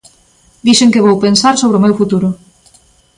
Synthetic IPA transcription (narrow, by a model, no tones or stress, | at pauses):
d̪iʃeŋkeβowpensaɾsoβ̞ɾeomewfut̪uɾʊ